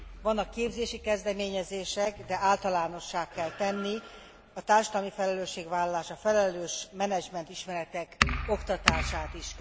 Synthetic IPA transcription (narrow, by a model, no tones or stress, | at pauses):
vɒnːɒkːeːbzeːʃikɛzd̪ɛmeːɲɛzeːʃɛkd̪ɛaːlt̪ɒlaːno̞ʃːaːkːɛlt̪ɛnːi | ɒt̪aːrʃɒd̪ɒlmifɛlɛløːʃːeːɡvaːlːɒlaːʃɒfɛlɛløːʃmɛnɛd͡ʒmɛnt̪iʃmɛɾɛt̪ɛko̞kt̪ɒt̪aːʃaːt̪iʃ